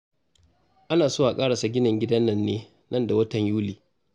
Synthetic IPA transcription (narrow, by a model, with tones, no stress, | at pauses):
ʔa˦naː˨soː˦a˨kʼaː˦ɽa˨sa˨ɡʲɪ˦nɪ˨ŋɡʲɪ˦dɐ˦nːɐ˨nːeː˦ | nɐ˦˨nda˨wɐ˦tɐ˨ɲjuː˦liː˨